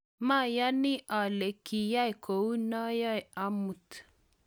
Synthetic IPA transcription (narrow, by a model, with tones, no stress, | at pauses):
ma˦˨ja˦ni˦ʔa˨le˨ki˨ja˦jko˨u˦nɔ˦jɔ˦ja˦mu˨t